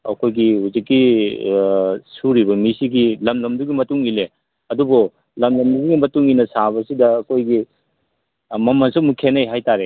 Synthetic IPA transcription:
ɐ̰kʰojɡihuzikːi | suɾibɐmisiɡilɐmlɐmduɡimɐtuŋile | ɐdubo | lɐmlɐmduduɡimɐtuŋinɐsaβɐsidɐːkʰojɡi | mɐmɐnsumukʰenɐjɦajtaɾe

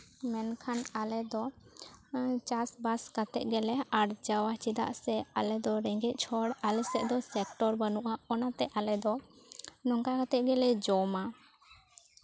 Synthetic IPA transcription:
mɛnkʰanalɛd̪ɔ | t͡ʃasbaskat̪ɛʔ̪̚ˀɡɛlɛaɽd͡ʒawat͡ʃid̪a̰ʔsɛalɛd̪ɔɾɛŋɡɛʔ̪̚ˀt͡ʃʰɔɽalɛsɛʔd̪ɔsɛkʈɔɾbənuʔaɔnat̪ɛʔalɛd̪ɔ | nɔŋkakat̪ɛʔ̪̚ɡɛlɛd͡ʒɔma

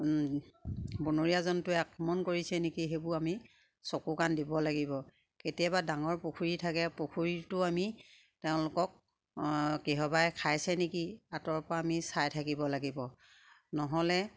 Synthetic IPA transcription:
bunoɹijazɔntʊɛakʰɹɔmɔnkoɹisɛnekiɦebʊami | sɔkukandibɔlaɡibɔ | ketijabadaŋɔɹpokʰuɹitʰakɛpokʰuɹitʊami | teʊ̃lʊkɔk̚ | keɦɔbajkʰajsɛnekiatɔɹpɔɹaːmisajtʰakibɔlaɡibɔ | nɔɦɔlɛ

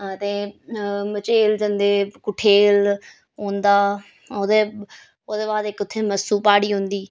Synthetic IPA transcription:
t̪ẽ | mɐt͡ʃeːld͡ʒɐ̃nd̪ekʊʈʰeːl | ɦõːnd̪a | od̪e | oːd̪eʋaːd̪ekʊt̪ʰemɐsuːpaːɽiːɦũːnd̪iː

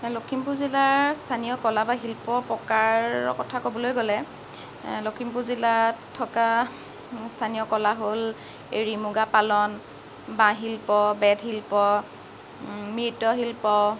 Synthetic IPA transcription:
lokʰimpuzilaɹstʰanijɔkɔlabaɦilpɔpɹɔkaɹɔ̰kɔtʰakobɔlojɡɔlɛ | lokʰimpuzilatʰːɔka | stʰanijɔkɔlaɦol | eɹimuɡapalɔn | bãɦilpɔbɛdɦilpɔ | mitɔɦilpɔ

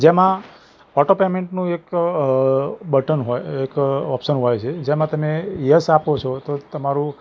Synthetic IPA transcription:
d͡ʒemã | ɔʈopemeɳʈnũek | bəʈənɦojekɔpʃənɦojt͡ʃʰed͡ʒemãt̪əmejəsapot͡ʃʰɔt̪ot̪əmaɾũ

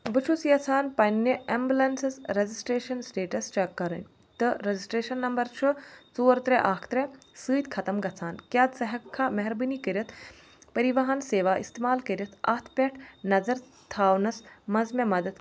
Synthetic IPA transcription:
bɨt͡ʃʰusjɐt͡sʰaːnpɐnːeʔɐmbʲulɐnsɐsɾezisʈɾeːʃɐnsʈeːʈɐst͡ʃɐkːɐɾɐ̰nʲ | t̪ɨɾɐzisʈɾeːʃɐnːɐmbɐɾt͡ʃʰɨt͡suːɾt̪ɾeʔakʰt̪ɾe | sɨːt̪ʲkʰɐt̪ɐmɡɐt͡sʰaːnkʲjaːd̪sɐɦɐkʰːamɐɦɾbɨnikɐɾʲɐt̪ʰ | pɐɾiʋɐɦɐnseːʋaːʔḭst̪eːmaːlkɐɾʲɐt̪ʰɐ̰ːt̪ʰpʲeʈʰnɐzɐɾ | t̪ʰaːwnɐsmɐzmʲemɐd̪ɐd̪

